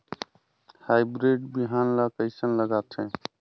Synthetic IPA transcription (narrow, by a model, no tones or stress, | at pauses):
haːjbɾeɖbiɦaːnlakəɪsənləɡat̪ʰɛ̃